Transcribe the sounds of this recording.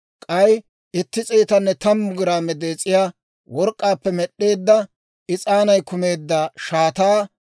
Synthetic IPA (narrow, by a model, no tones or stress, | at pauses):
kʼɐj | ɪt̪ːɪt͡sʼeːt̪ɐnːɛt̪ɐmːʊɡɪɾaːmɛd̪eːt͡sʼːɪjaː | wɔɾkʼːaːpːɛmɛɗːeːd̪ːɐ | ɪt͡sʼaːnɐjkʊme̞ːd̪ːɐʃaːt̪aː